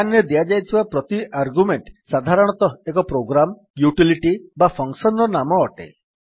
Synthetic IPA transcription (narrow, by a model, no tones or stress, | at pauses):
anjɔd̪iad͡ʒajt͡ʃʰibapɾɔt̪iʔaɾɡumeɳʈsad̪ʱaɾɔɽ̃ɔt̪ɔekɔpɾoɡɾam | juʈiliʈibapʰɔŋksɔnɾɔnamɔːʈḛ